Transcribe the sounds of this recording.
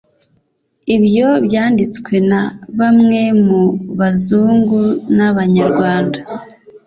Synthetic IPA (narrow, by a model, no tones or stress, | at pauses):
iβjo̞bjaːndit͡skwe̞naβamŋe̞muβazuːŋɡunaβaɲaɾɡwaːnda